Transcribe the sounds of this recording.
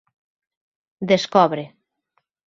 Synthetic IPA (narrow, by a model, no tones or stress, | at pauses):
d̪eskɔβɾe